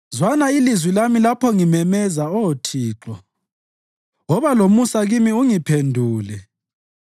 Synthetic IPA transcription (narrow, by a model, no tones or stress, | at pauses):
zwanailizwilamilapʰɔŋimɛmɛzaɔtʰiːǁɔ̰ | ɔβalomusaɣimiuŋipʰendʱuːlɛ